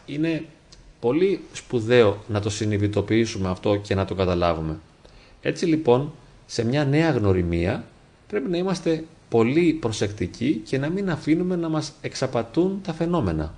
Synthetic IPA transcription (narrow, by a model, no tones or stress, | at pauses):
ine̞ | po̞lispuðe̞o̞nɐt̪o̞siniðit̪o̞piisume̞ɐft̪o̞ce̞nɐt̪o̞kɐt̪ɐlɐ̰vume̞ | e̞̰t͡silipo̞n | se̞mɲɐne̞ɐɣno̞ɾimiɐ | pɾe̞pinɐimɐst̪e̞ | po̞lipɾo̞se̞kt̪icice̞nɐminɐfinume̞nɐmɐse̞ksɐpɐt̪unt̪ɐfe̞no̞me̞nɐ̰